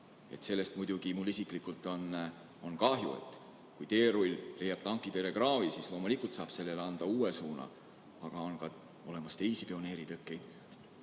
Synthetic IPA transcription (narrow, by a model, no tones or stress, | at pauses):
e̞̰t̪se̞lːe̞st̪mujd̪̥uɡ̥imulːisiklikːult̪ːˑo̞n | o̞nkɑhjṵḛt̪ːˑ | kujt̪e̞ːɾulʲle̞jɑb̥̚t̪ɑŋkːˑit̪eɾe̞krɑːvisislo̞ːmulʲikːˑult̪sɑːb̥se̞lːe̞leɑnd̪̥ɑuːesuːnɑ̰ | ɑɡ̥ɑo̞nkɑ | o̞le̞mɑst̪e̞jsipio̞ne̞ːɾit̪ɤkːˑe̞jd̪̥